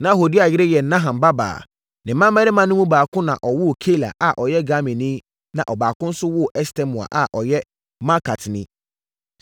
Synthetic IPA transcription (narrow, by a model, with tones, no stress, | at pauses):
nã˦ɦo˨di˦a˨jɪ˦ɾɪ˦jɛ˨n̩˦nã˦ɦã˨mba˦ba̰ː˨ | nɪ̃˨˦mã˦mːɛ˦ɾɪ˦mã˨˦nʊ̃˦mũ˦baː˨kʰʊ̃˦nã̰˨ʔɔ˨wʊ˦˨kʰe˦la̰˨ʔa˨ʔɔ˨jɛ˦ɡa˦mĩ˨nɪ̃˦ | nã̰˨ʔɔ˨baː˨kʊ̃˦n̩˦sʊ˦wʊ˦˨ʔɛ˦stɛ̃˦mʊ̃˨a̰˨ʔa˨ʔɔ˨jɛ˦ | ma˦kʰa˨tʰnɪ̃˦